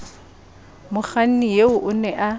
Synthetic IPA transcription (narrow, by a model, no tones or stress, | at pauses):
mʊχan̩nijeʊʔʊnɛʔa